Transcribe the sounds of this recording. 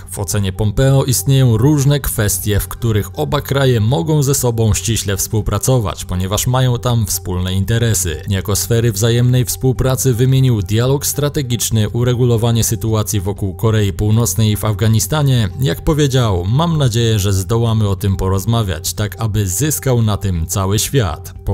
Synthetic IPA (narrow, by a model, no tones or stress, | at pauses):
vɔ̰t̪sɛɲɛpɔmpɛɔʔist̪ɲejɔ̃w̃ɾuʐnɛkfɛst̪ʲjɛfkt̪uɾɘxɔbakɾajɛmɔɡɔ̃w̃zɛsɔbɔ̃w̃ɕt͡ɕiɕlɛfspuwpɾat̪sɔva̰t͡ɕpɔɲɛvaʂmajɔ̃w̃t̪amfspulnɛint̪ɛɾɛsɘ̰ɲjakɔsfɛɾɘvzajɛmnɛjfspuwpɾat̪sɘvɘmʲjeɲiwd̪ʲjalɔkst̪ɾat̪ɛɡʲit͡ʂnɘʔuɾɛɡulɔvaɲɛsɘt̪uat̪sʲjivɔkuwkɔɾɛjipuwnɔt̪snɛjivavɡaɲist̪aɲɛjakpɔvʲjed͡ʑawmamnad͡ʑejɛʐɛzd̪ɔwamɘɔt̪ɘmpɔɾɔzmavʲja̰t͡ɕt̪akabɘzɘskawnat̪ɘmt̪sawɘɕfʲja̰t̪